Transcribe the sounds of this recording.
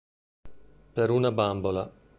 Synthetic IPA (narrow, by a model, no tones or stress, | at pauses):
peɾunabambola